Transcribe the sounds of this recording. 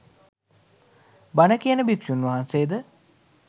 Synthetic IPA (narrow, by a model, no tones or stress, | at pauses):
banəkijənəbikʃunʋɐɦanseːd̪ə